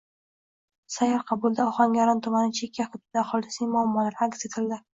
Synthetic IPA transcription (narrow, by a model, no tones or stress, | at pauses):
sajɑɾqʰɑbʊlˠd̪aɒχɒŋjaɾɒnt̪ʰʊmanɪt͡ʃʰekʲʰːaχʊt̪̚ːɪd̪aːχɒlˠɪsnɪŋmʊamːɒlaɾakse̞t̪ʰɪld̪ɪ